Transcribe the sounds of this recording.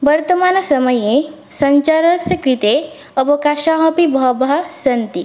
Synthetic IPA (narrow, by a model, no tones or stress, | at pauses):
ʋɐɾt̪ɐmaːnɐsɐmɐje | sɐɲt͡ʃaɾɐsjɐkɾit̪e | ɐʋɐkaːʃaːɦɐpibʱɐbɐɦɐsɐnt̪i